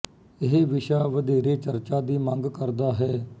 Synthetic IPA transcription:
ɪɦeʋɪʃaːʋəd̪iːɾeːt͡ʃəɾt͡ʃaːd̪iːmə̃ŋɡkəɾd̪aːɦɛː

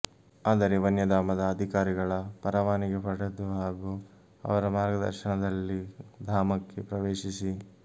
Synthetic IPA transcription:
aːd̪ɐɾe̞ʋɐnjɐd̪aːmɐd̪ɐːd̪ʱikaːɾiɡɐɭɐpɐɾɐʋaːniɡepɐɽɐd̪uɦaːɡu | ɐ̰ʋɐɾɐmaːɾɡɐd̪ɐ̰ɾʃɐɳɐd̪ɐlːid̪ʱaːmɐkːe̞pɾɐʋeːʃisi

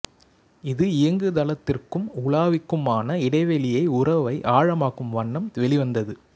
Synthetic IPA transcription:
ɪðɯɪjɐŋɡɯðɐlɐt̪ːɪrkɯmʊɭaːʋɪkːɯmaːnɐɪɽɐɪʋɛlɪjɐɪʊrɐʋɐɪʔaːɻɐmaːɣɯmʋɐɳːɐmʋɛlɪʋɐnd̪ɐðɯ

